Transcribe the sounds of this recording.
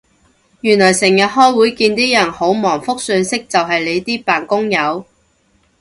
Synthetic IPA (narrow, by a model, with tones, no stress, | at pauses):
jyː˨˩nlɔː˨˩jsɪ˨˩ŋjɐ˨t̚ɦɔː˥jwuː˨˥jkiː˧nt̪iː˥jɐ˨˩nho˨˥wmɔː˨˩ŋfʊ˥k̚sœː˧nsɪ˥k̚t͡sɐ˨wɦɐ˨jle˨˧jt̪iː˥paː˨˩nkʊ˥ŋjɐ˨˧w